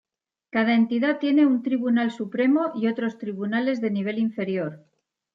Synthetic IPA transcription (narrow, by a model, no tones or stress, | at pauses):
kað̞ae̞nt̪iðat̪je̞ne̞unt̪ɾiβunalsupɾe̞moʔio̞t̪ɾo̞st̪ɾiβunale̞zðe̞niβ̞e̞liɱfe̞ɾjo̞ɾ